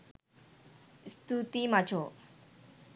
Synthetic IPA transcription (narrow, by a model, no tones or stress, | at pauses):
st̪ut̪imat͡ɕʰo